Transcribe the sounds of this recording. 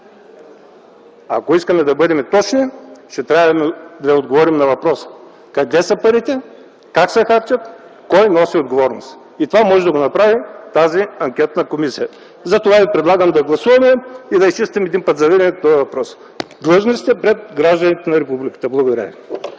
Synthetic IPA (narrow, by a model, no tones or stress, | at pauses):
a̰koiskɐmɛd̪ɐbɤd̪ɛmɛt̪ɔt͡ʃniʃt̪ɛt̪ɾʲavɐmɛd̪ɐjod̪ɡovɔɾimnɐvɐpɾɔsə̥ | kɐd̪ɛsɐpɐɾit̪ɛ | kaksɛxaɾt͡ʃət̪ | kɔjnɔsiod̪̚ɡovɔɾnost̪ | it̪ovamɔʒɛd̪ɐɡonɐpɾavit̪aziɐŋkʲɛt̪nəkomisijə | zɐt̪ovavipɾɛd̪lˠaɡəmd̪ɐɡlˠɐsuvɐmɛid̪ɐist͡ʃist̪ɛmɛd̪inpət̪zɐvɛɾɛnɛt̪t̪ɔɐvɐpɾɔs | d̪lˠɤʒnosi̥t̪ɛpɾɛd̪̚ɡɾaʒd̪ɐnit̪ɛnɐɾɛpublikə̥t̪əblˠɐɡod̪ɐɾʲə̰vi